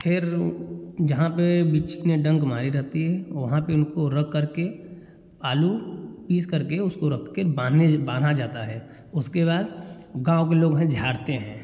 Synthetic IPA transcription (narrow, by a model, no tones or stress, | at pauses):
pʰɪɾ | d͡ʒɐɦãpebit͡ʃneɖɐ̃ŋɡmaːɾiɾɐɦt̪iɦɛʋɐɦãpeʊnkoɾɐkʰːəɾke | aːlupiːskɐɾkeʊskoɾɐkʰkebaebãːn̤ʱad͡ʒaːt̪aɦɛː | ʊskeβaːd̪ɡãːõkeloːɡɦɛ̃d͡ʒʱaːɽt̪eɦɛ̃ː